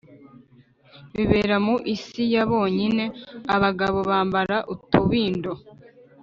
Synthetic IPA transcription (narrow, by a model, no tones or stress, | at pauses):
βiβe̞ːɾamuʔisijaβo̞ːɲine̞aβaɡaβo̞βaːmbaɾaʔutuβiːndo̞